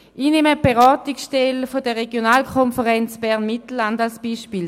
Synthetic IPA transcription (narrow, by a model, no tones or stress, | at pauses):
ineməb̥eʁɔːtiksʃtɛlfodəʁeɡjonaːlkʰɔnfəʁɛnt͡sb̥ɛʁnmitl̩ːandalsb̥iːʃpiːl